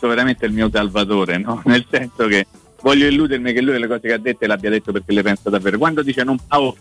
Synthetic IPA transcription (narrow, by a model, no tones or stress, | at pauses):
oveɾament̪eilmiːos̬alvat̪oːɾenɔnelsɛnsoke | vɔʎjːoilːuːd̪ermikelːujlekɔːzekead̪ːet̪ːoeleabːjad̪et̪ːoperk̟elːepɛnsad̪avːeːɾokwand̪od̪iːt͡ʃenompaːo